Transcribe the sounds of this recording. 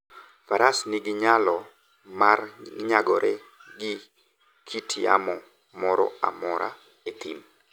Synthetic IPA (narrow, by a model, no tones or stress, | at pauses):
paɾʔasnɪɡɪɲalɔ | marɲaɡɔɾʔɛ | ɡɪ | kʰitʰia̰mɔ | mɔɾɔ̰a̰mɔɾa̰ | et̪ḭm